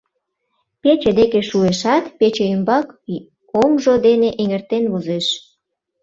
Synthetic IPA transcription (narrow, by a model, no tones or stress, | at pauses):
pet͡ɕed̪ekeʃueʃɑt̪pet͡ɕeymbɑk | omʒod̪eneʔeŋert̪enβozeʃ